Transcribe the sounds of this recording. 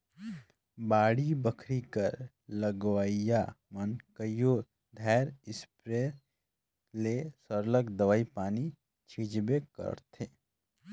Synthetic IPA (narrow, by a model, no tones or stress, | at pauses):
baːɽibəkʰɾikəɾ | ləɡwaːijamənkəjoː | d̪ʱɛːɾɪspɾeː | lesəɾləkd̪əʋaːipaːni | t͡ʃʰiːd͡ʒbekɐ̰ɾt̪ʰeː